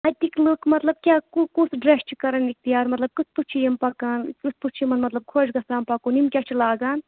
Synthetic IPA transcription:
ɐt̪ikloːkmɐt̪lɐb̚kʲaːkukusɖɾest͡ʃʰikɐɾɐnik̚t̪ijaːɾmɐt̪lɐb̚kɨt͡sʰput͡ʃʰijɐmpɐkɐnkusput͡ʃʰimɐnmɐt̪lɐb̚kʰoːd͡ʒɡɐsaːmpɐkunimkʲaːt͡ʃʰilaːɡaːn

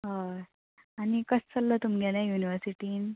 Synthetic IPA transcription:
ɦə | añikəst͡səlːət̪umɡɛlãjuniʋəɾsiʈiːn

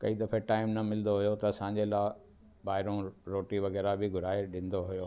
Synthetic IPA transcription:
kɐid̪ɐfeʈaːɪmnɐmɪlɪnd̪oɦujot̪ɐɐsãːɲ̆d͡ʑelaː | baːɦɪɾõɾoːʈiʋɐɣɛːɾabʱɪɡʱʊɾaːeɗɪ̃n̆d̪oɦujoː

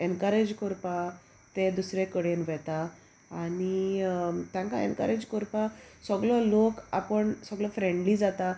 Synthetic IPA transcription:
enkəɾed͡ʑkoɾpa | t̪ed̪usɾekəɽenʋɛt̪aː | ni | t̪jãŋkaḛnkə̰ɾed͡ʑkoɾpasəɡlɔlokapəɳsəɡlɔfɾẽɳɖlid͡zat̪a

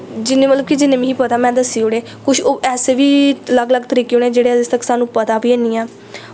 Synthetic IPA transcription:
d͡ʒɪneːmət̪ləbkid͡ʒɪnːẽːmĩːɦiːpət̪aːmɛ̃ːd̪əsiːɦoːɽeː | kʊʃʰoːʔɛːseːʋiːələɡləɡt̪əɾiːkeoːneːd͡ʒeːɽeːd̪ɪst̪əksaːnũːpət̪aːʋiːeːniːɛː

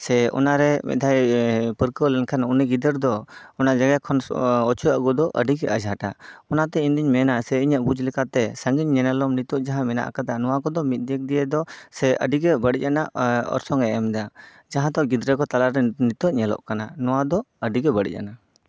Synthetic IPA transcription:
sɛɔ̰naɾɛmɛ̰d̪ʱajpəɾkəlɛnkʰanunɛɡid̪əɾd̪ɔɔnad͡ʒaɡakʰɔnɔt͡ʃʰua̰ʔɡɔd̪ɔʔə̰ɖiɡɛ̰ʔad͡ʒɦaʈaɔnat̪ɛind̪iɲmɛnasɛiɲəʔ̚bud͡ʒlɛkat̪ɛsəŋɡiɲːɛnəlɔmnit̪ɔʔd͡ʒaɦãmɛna̰ʔkad̪anɔwakɔd̪ɔmit̪̚ˀd̪ɛk̚d̪ijɛd̪ɔsɛə̰ɖiɡɛbəɽic̚anaʔɔ̰ɾsɔŋɛʔɛmd̪a | d͡ʒaɦãd̪ɔʔɡid̪ɾɛkɔt̪alaɾɛnit̪ɔʔɲɛlɔ̰ʔkananɔwad̪ɔəɖiɡɛbəɽḭc̚ˀa̰na

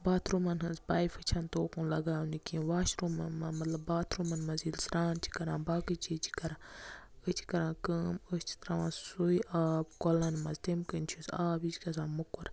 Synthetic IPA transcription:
baːt̪ʰɾumɐnɦɐnzbaːifɨt͡ʃʰɐnt̪oːkũnlɐɡaːunikĩʋaːʃɾumɐnmɐmɐt̪lɐbːaːt̪ʰɾumɐnmɐzilsɾaːnt͡ʃʰi̥kɐɾãːbaːkɨt͡ʃʰit͡ʃʰi̥kɐɾã | ət͡ʃʰi̥kɐɾãːkəmət͡ʃʰt̪ɾaʋassuiʔaːbkɔlɐnmɐzt̪emkənʲt͡ʃʰusaːbit͡ʃkɐzãːmukːuɾ

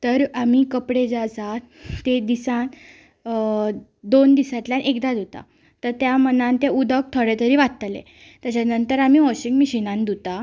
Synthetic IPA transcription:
t̪əɾam̤iːkəpɽed͡zasa | t̪ed̪isãn | d̪ond̪isat̪ljanʔekd̪ad̪ut̪a̰ | t̪əɾt̪jamənãnt̪eud̪ək̚t̪ʰoɽet̪əɾiːʋat̪t̪əlḛ | t̪jat͡ɕanənt̪əɾam̤iːʋɔɕiŋɡmiɕinãnd̪ut̪a

